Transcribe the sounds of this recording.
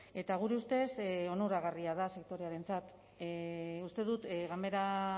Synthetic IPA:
e̞t̪aɣ̞uɾe̞ust̪e̞so̞noɾaɣ̞ariaðase̞k̚t̪o̞ɾe̞aɾe̞nt͡sat̪ | ust̪e̞ðut̪ɣambe̞ɾa

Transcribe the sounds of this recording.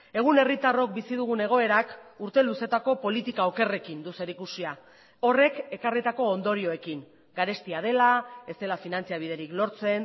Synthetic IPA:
e̞ɣ̞une̞rit̪aro̞k̚bisið̞uɣ̞une̞ɣ̞o̞e̞ɾakuɾt̪e̞luse̞t̪ako̞po̞lit̪ikao̞ke̞re̞kind̪use̞ɾikusia | o̞re̞ke̞karit̪ako̞ːnd̪o̞ɾio̞e̞kiŋ | ɡaɾe̞st̪iað̞e̞lae̞st̪e̞lafinant͡siaβ̞ið̞e̞ɾiklo̞ɾt͡se̞n

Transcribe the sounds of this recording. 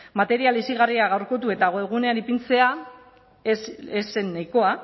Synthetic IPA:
mat̪e̞ɾialisiɣariaɣ̞awɾko̞t̪̬ue̞t̪aɣ̞oe̞ɣ̞une̞anipint͡se̞a | ese̞nːajko̞a

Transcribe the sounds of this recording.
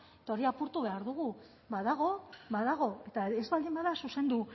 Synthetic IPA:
et̪ao̞ɾiapuɾt̪uβe̞aɾðuɣu | βaðaɣ̞o̞βaðaɣ̞o̞e̞t̪aezβald̪imbaðasuse̞nd̪u

